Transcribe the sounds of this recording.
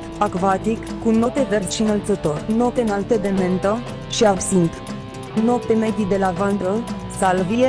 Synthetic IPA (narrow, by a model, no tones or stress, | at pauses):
akvat̪ikːuno̞t̪everʃinəlt̪sət̪o̞rnop̚t̪enalt̪ed̪ement̪ə | ʃiabsint̪ | nop̚t̪emed̪id̪elavand̪ɾə | salvie